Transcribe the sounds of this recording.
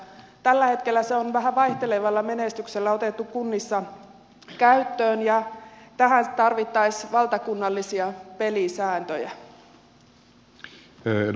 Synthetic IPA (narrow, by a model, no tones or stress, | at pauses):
t̪ælːæhet̪kelːæseonʋæɦæʋɑiht̪eleʋɑlːɑmenest̪ykselːæot̪et̪ːukkunːisːɑ | kæyt̪ːøːnjɑt̪æɦænt̪ɑrʋit̪ːɑisʋɑlt̪ɑkunːɑlːisiɑpelisæːnt̪ø̰jæ̰